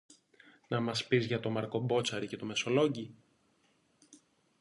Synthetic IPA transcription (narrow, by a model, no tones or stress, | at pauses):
nɐmɐspizʝɐt̪o̞mɐɾko̞bo̞t͡sɐɾice̞t̪o̞me̞so̞lo̞ɟi